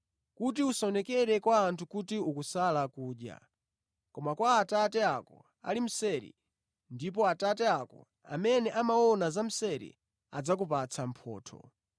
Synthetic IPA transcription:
kut̬iusaɔnɛkɛɾɛkwaːntʰukutiukusalakuːɗja̰ | kɔmakwaːtatɛakɔ̰ | a̰lim̩sɛɾḭ | ndip̬ɔatatɛakɔ̰ | a̰mɛnɛʔamaɔnazam̩sɛɾḭ | ad͡zak̬upat͡sʰam̩pʰɔ̰ːtʰɔ̰

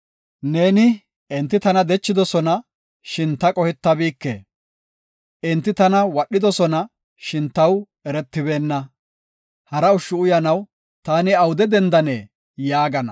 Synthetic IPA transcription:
ne̞ːnɪ | ɪnt̪ːɪt̪ɐnɐd̪ɛt͡ʃːɪd̪ɔsɔnɐ | ʃɪnt̪ːɐkʼɔhɪt̪ːɐbiːkːḛ | ɪnt̪ːɪt̪ɐnɐwɐɗːɪd̪ɔsɔnɐ | ʃɪnt̪ːɐw | ɛɾɛt̪ːɪbe̞ːnːɐ | hɐɾɐʊʃːʊʊjɐnɐw | t̪aːnɪɐwʊd̪ɛd̪ɛnd̪ɐnɛː | jaːɡɐnɐ̰

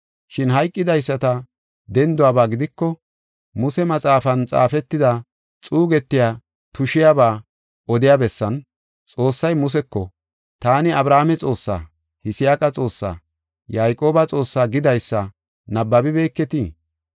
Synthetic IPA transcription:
ʃɪnɦɐjkʼːɪd̪ɐjsːɐt̪ɐ | d̪ɛnd̪ʊaːbaːɡɪd̪ɪkːɔ | mʊsɛmɐt͡sʼaːfɐnt͡sʼa̰ːfɛt̪ːɪd̪ɐ | t͡sʼuːɡɛt̪ːɪjaː | t̪ʊʃɪjabaː | ɔd̪ɪjabɛsːɐn | t͡sʼo̞ːsːɐjmʊs̬ɛkːɔ | t̪aːnɪɐbɾaːmɛt͡sʼo̞ːsːa̰ː | hɪsɪjaːkʼɐt͡sʼo̞ːsːa̰ː | jaːjkʼo̞ːbɐt͡sʼo̞ːsːaːɡɪd̪ɐjsːɐ | nɐbːɐbɪbe̞ːkːɛt̪iː

